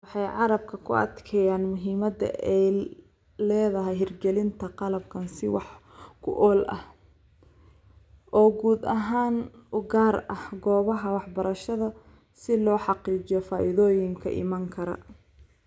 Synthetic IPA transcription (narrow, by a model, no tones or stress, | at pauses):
wɑħɑjʕɑɾɐb̚kʰɐkʰʊ̰ʔɐ̰d̪kʰɛjaːnmʊɦiːmɐd̪ɐ̰ʔɛj | lɛːðɐɦɛjɦɪrɡɛlɪnt̪ʰɐqɑlɐbkʰɐnsɪwɑ̰ħ | kʰʊ̰ʔɔːlɐ̰h | ʔɔːɡuːd̪ɐɦaːnʊɡaːrɐhɡɔːβɐɦɐwɑħbɐɾɐʃɐðɐ | sɪlɔːħɑqiːd͡ʒɪjɔfaːʔɪðɔːjɪŋkʰɐ̰ʔɪ̰maːŋkʰɐɾɐ̰